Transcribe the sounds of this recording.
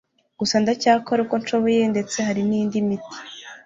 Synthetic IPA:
ɡ̥usandacaːkoɾuko̞nt͡ʃoβoje̞nde̞t͡se̞ɦaɾiniːndimiti̥

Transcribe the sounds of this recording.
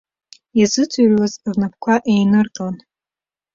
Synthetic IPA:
jazɨt͡sʰʼurʲwazvnap̚ʰkʷʰaʔejnɨrkʼlan

